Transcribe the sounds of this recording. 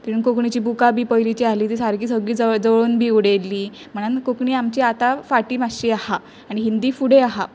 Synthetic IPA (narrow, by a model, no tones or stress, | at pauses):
t̪iɾuːnkokɳit͡ɕiːbukabiːpəjlit͡ɕialiːt̪isaɾkiːsəɡɭiːd͡zd͡zəʋɭoːnbʱiːuɽelːiː | m̤əɽ̃ankokɳiːamt͡ɕiːat̪afaʈiːmaɕiːaha | aniɦind̪iːfuɽeaɦa